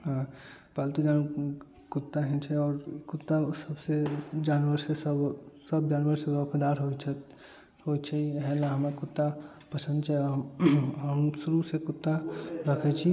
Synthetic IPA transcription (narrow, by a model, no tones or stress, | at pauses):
ɦã | palt̪ud͡ʒan | kut̪ːaɦɛnt͡ʃʰɛɔːɾkut̪ːasəbsed͡ʒanʋəɾsesəbsəb̚d͡ʒanʋəɾseɡəkʰəd̪aɾɦot͡ʃʰɛt̪ | ɦojt͡ʃʰɛɦɛlaɦəmakut̪ːa | pəsə̃nd̪t͡ʃʰɛ | ɦəmsuɾusekut̪ːaɾəkʰɛt͡ʃʰi